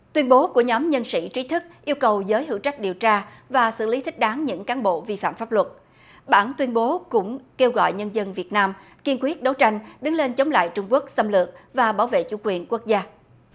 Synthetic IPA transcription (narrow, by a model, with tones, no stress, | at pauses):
t̪wi˧ənɓo˨˦ku˧˩əɲɔ˨˦mɲə˧nsḭ˧˥t͡ɕi˨˦t̪ʰɨ˦˥k̚ʔi˧əwkə˨˩wzəː˨˦jhɨ̰˧˩˨wt͡ɕa˦˥jk̚ɗi˨˩əwt͡ɕaː˧vaː˨˩sɨ̰˧˨li˨˦t̪ʰï˦˥k̟̚ɗaː˨˦ŋɲɨ̰˧˥ŋkaː˨˦nɓo̰˧˨vi˧fa̰ː˧˨mfaː˦˥p̚lwə˨˩t̚ | ɓaː˧˩nt̪wi˧ənɓo˨˦kʊ̰˧˥ŋ͡mke˧wɣɔ̰˧˨jɲə˧nzə˧nvi˨˩ət̚naː˧m | ki˧ənkwi˦˥ət̚ɗə˨˦wt͡ɕa˧jŋ̟ɗɨ˨˦ŋle˧nt͡ɕə˨˦wŋ͡mla̰ː˧˨jt͡ɕʊ˧ŋ͡mku˦˥ək̚sə˧mlɨ˨˩ək̚vaː˨˩ɓaː˧˩wvḛ˧˨t͡ɕṵ˧˩kwi˨˩ənku˦˥ək̚zaː˧